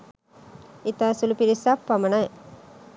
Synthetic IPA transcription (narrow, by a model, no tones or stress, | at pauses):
it̪aːsulupiɾisapːɐmɐnaj